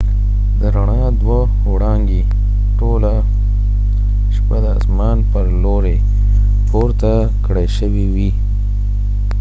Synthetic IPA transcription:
d̪əɾaɳɑ | d̪wa | oɽɑŋɡi | ʈola | ʃpad̪əːsmɑnpəɾloɾe | tʰoɾt̪a | kɽəjʃəwiwi

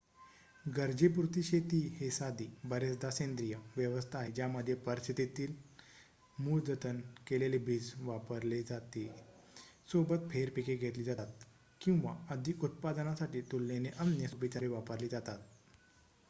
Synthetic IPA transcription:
ɡəɾd͡ʑep̬uɾt̪iɕet̪iːhesad̪iːbəɾesd̪asẽnd̪ɾijəʋjəʋəst̪ʰaɦed͡ʑjaməd̪ʱːjepəɾsit̪et̪iːl | muːld͡zət̪ənkelelebʱiːd͡zʋapəɾled͡zat̪e | sobət̪̚fʰeɾpikeɡʱet̪liːd͡zaat̪̚ | kĩw̃ʋa̰əd̪ʱikut̪̚pad̪ənasaʈiːt̪ulːeneʔəmjəsubit͡ɕaɾeʋapəɾliːd͡zat̪at̪̚

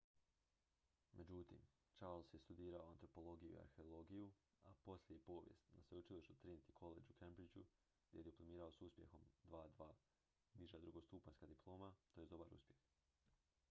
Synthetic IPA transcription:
mʔe̞d͡ʑut̪ḭm | t͡ʃaɾlˠsjest̪ud̪iːɾaoant̪ɾo̞po̞lˠo̞ɡijuḭa̰ɾxe̞olˠo̞ɡiju | apo̞slejepo̞ːʋjḛst̪nasʋeut͡ʃiliʃt̪ut̪ɾint̪ikʰo̞lḛd͡ʑukʰembɾid͡ʑu | ɡd̪jḛed̪iplˠomiːɾao̞suspʲje̞̰xo̞md̪ʋaːd̪ʋaː | niʒad̪ɾuɡost̪uːpaɲskad̪iplˠo̞ːmat̪ojed̪o̞baɾṵspjex

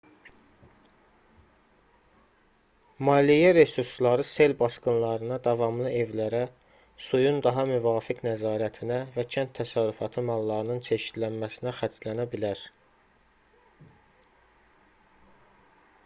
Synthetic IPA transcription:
mɑːlijæɾe̞suɾslˠɑɾɯse̞lbɑskɯnlˠɑɾɯnɑd̪ɑvɑmlˠɯe̞vlæɾæ | sujund̪ɑɦɑmyvɑːfiknæzɑːɾæt̪ʰinævæcʰænt̪ʰːæsɑɾyfɑt̪ʰɯmɑlˠːɑɾɯnɯnt͡ʃʰeʃid̪lænmæsinæxæt͡ʃlænæbilæɾ

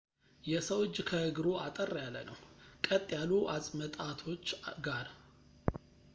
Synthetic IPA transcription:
jɛsəwɨt͡ʃːkʰəɨɡɨɾoʔat̪ʼərːjalːə̰nəwkʼət̪ʼːjaluʔasʼmət̪ʼat̪ʰo̞t͡ʃːɡaɾ

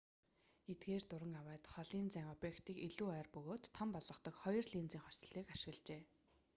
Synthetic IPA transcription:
et̪̚ɡeːrt̪ʊɾə̆ŋawæːt̪χɔɮiːnt͡sæːŋɔpjekt̪iːkiɮuːæːrpɵɣoːt̪ʰːampɔɮʁɞ̆χt̪ɞ̆kχɔjɞ̆rɮiːnt͡siːŋχɔs̆ɮiːkaʃɪ̆ɣə̆ɮt͡ɕeː

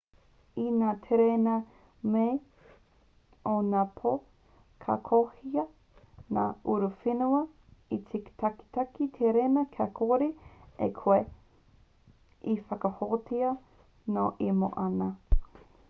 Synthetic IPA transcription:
inaːt̪ʰeɾenɐ | me | onaːpʰo | kʰa̰kʰohiɐ | naːuɾufinuɐ | it͡siki̥t̪ʰɐki̥t̪ɐkit̪ʰeɾenɐkʰakʰoɾiḛkʰoe | ifɐkɐhotiɐ | noʔimo̰ʔɐnɐ

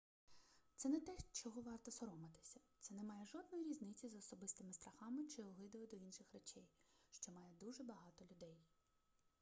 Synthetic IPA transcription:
t̪sɛnɛt̪ɛʃt͡ʃɔɦɔʋɑrt̪ɔsɔɾɔmɐt̪ɪ̥sʲɐ̥t̪sɛnɛmɑjɛʒɔd̪̚nɔjiɾʲiznɪt͡sʲizɔsɔbɪst̪ɪmɪst̪ɾɐxɑmɪt͡ʃɪɔɦˠɪd̪ʊjɛd̪ɔinʃɪxret͡ʃɛjʃt͡ʃɔmɑjɛd̪uʒɛbɐɦɑt̪ɔlʲʊd̪ɛj

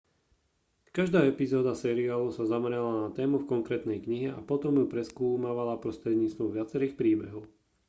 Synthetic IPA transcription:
kaʒd̪aːɛpizɔːd̪asɛːɾiaːlusazamɾalanat̪ɛːmufkɔŋkɾɛːt̪nɛjkɲiɦɛa̰pɔt̪ɔmjupɾɛskuːmaʋalapɾɔst̪ɾɛd̪ɲiːt͡st̪ʋɔʋɪat͡sɛɾiːxpɾiːbɛɦɔʊ

